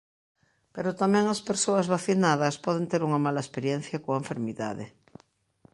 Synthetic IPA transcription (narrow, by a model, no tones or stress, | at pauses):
peɾot̪amẽŋaspeɾsoazβaθinaðaspɔð̞ent̪eɾuŋamalaespeɾjen̟θjakoeɱfeɾmiða̰ðḛ